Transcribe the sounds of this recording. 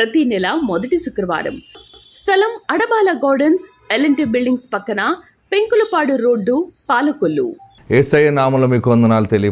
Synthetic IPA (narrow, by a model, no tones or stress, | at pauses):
ɾɐt̪inɛlɐmɔd̪ɐʈisukɾɐʋa̰ːɾɐ̰mst̪ʰɐlɐmɐɽɐbaːlɐɡaːɾɖɐns | elɐɳʈibilɖiŋɡspɐkːɐna | peŋkulɐpaːɽuɾoːɖːupaːlɐkolːṵ | eːsɐjɐnaːmɐloːmiːkuʋɐnd̪ɐnaːlut̪eli